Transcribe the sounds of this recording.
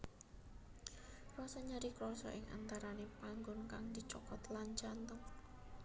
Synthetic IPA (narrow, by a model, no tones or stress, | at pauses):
rɔsaɲaɾikɾɔsɔ̰ʔɪŋa̰nt̪aɾanepaŋɡʊnkaŋd̪̥it͡ʃɔkɔt̪laɲt͡ʃant̪əŋ